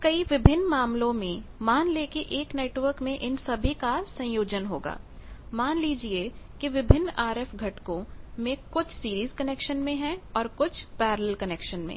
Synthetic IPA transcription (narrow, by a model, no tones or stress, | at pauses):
kɐiʋɪbʱɪnːmaːmlõmẽmaːnleːkeʔeːkneːʈwəɾkmẽʔɪnsɐbʱikasɐ̃joːd͡ʒənɦoːɡa̰ːmaːnliːd͡ʒie | kiʋɪbʱɪnːaːɾɛfɡʱɐʈkõmẽkʊt͡ʃʰsiːɾiːzkɐneːkʃənmẽɦɛ̃ɔːɾkʊt͡ʃʰpɛːɾləlkɐneːkʃənmḛ̃ː